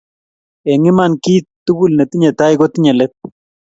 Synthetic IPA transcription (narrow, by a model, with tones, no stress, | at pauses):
ɛŋɪ˦ma˨nki˦tːu˦ɡu˦lnɛ˨t̪i˦ɲɛ˨t̪aɪɡo˦t̪iɲɛ˨lɛt̪̚